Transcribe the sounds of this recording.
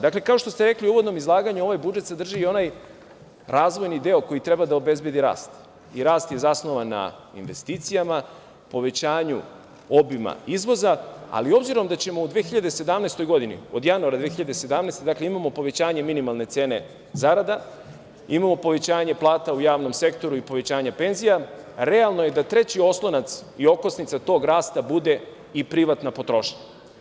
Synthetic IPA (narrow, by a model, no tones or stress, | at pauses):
d̪akle̞kao̞ʃt̪ost̪e̞ɾe̞kliuːʋod̪no̞mizlˠaːɡaɲuo̞ʋajbud͡ʒet̪sed̪r̩ʒio̞naj | ɾaːzʋo̞jnid̪e̞o̞ko̞jit̪ɾe̞bad̪aobe̞zbje̞d̪iɾa̰ːst̪ | iɾaːst̪je̞zasno̞ʋanːa̰ḭnʋe̞̰st̪iːt̪sijama | po̞ʋe̞t͡ɕaːɲu | o̞bima̰izʋo̞zaa̰lio̞bziɾo̞md̪at͡ɕe̞moud̪ʋexiʎad̪ese̞d̪amnejst̪o̞jɡo̞d̪inḭo̞̰d̪januaɾad̪ʋexiʎad̪esed̪amnajst̪e̞d̪akleimamo̞po̞ʋe̞t͡ɕaːɲe̞minimalˠne̞t̪se̞ːne̞ | zaɾad̪a | imamopo̞ʋe̞t͡ɕaːɲe̞plˠaːt̪aujaːʋno̞mse̞kt̪o̞ɾuipo̞ʋe̞t͡ɕaːɲape̞nzijaɾe̞alˠnoje̞d̪at̪ɾe̞t͡ɕio̞slˠo̞nat̪sio̞kosnit̪sat̪o̞ːɡɾaːst̪abud̪e̞ | ipɾiʋat̪napo̞t̪ɾo̞ʃɲa